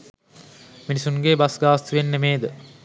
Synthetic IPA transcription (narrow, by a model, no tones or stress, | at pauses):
minisunɡeːbɐsɡaːst̪uʋenːemeːd̪ə